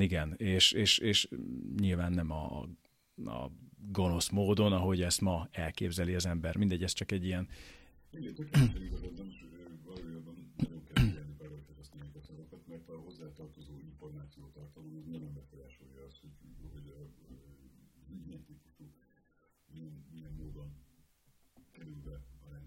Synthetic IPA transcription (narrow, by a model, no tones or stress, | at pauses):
iɡɛneːʃeːʃeːʃɲilvaːnːɛmɒ̰ | ɒ̰ɡo̞no̞smoːd̪o̞nɒɦo̞ɟɛst̪mɒɛlkḛːbzɛliɒzɛmbɛrmind̪ɛɟːɛst͡ʃɒkɛɟːijɛn | iɡɛt̪økɛɛjizɛɾɛznɛmiʃvɒloːjɔbɔnːɒɟo̞ŋkɛlɛlnikɛɾolk̪ɛɾɛst̪ɛnikɔsɛvɔkɒt̪mɛrt̪ɒɦo̞zːaːt̪ɒrt̪o̞zoːiɱfo̞rmaːt̪sijoːt̪ɒrt̪ɒloːɛznɔjomːɛkfɔɾaːʃoljɒɒst̪hoɟɦɔɟɒ | ziɟmɛt̪iːkutoːk | miɛnmijɛmːoːd̪o̞n | kɛɾylbɛɒɾaːn